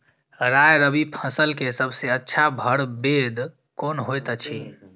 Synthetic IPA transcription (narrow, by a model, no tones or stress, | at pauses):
ɾajɾəbipʰə̃səlkesəbseətːʃʰabʱəɽbed̪ | konɦojt̪t͡ʃʰi